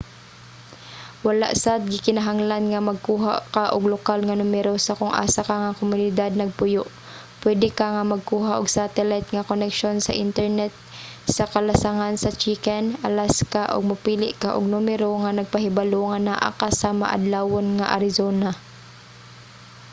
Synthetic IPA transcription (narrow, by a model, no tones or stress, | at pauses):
wala̰ʔsat̪̚ɡɪkɪnaɦaŋlanŋamaɡ̚kuːɦa̰kaʔʊɡlʊkalŋanʊmɛɾosakʊŋʔa̰ːsakaŋakʊmʊnɪd̪ad̪̚nɐɡ̚pʊjʊʔ | pwɛd̪ɪkaŋamaɡ̚kuːɦaʔʊɡsat̪ɛlajt̪̚ŋakonɛkʃonsa̰ʔɪnt̪ɛɹnɛt̪̚ | sakalasaŋansat͡ʃikɛnalaskaʔʊ̰ɡ̚mʊpiːlɪʔkaʔʊ̰ɡ̚numɛɾoŋanaɡ̚paɦɪbaloŋanaʔa̰kasama̰ʔa̰d̪lawonŋaʔa̰ɾɪzoːna